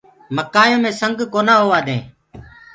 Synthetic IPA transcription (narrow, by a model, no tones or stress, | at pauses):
məkaːjõːmẽːsəŋɡkoːnaːɦoːʋaːd̪ẽː